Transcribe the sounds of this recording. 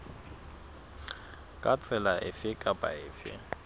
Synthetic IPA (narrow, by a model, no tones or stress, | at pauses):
kʼat͡sʰʼɛlaʔɪfɪkʼapʼa̰ɪːfɪ̰